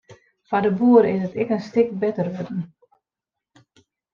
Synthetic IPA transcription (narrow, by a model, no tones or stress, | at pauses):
fadəbuːəɾəɪsətɛkənstɪk̚bɛtərʋøtn̩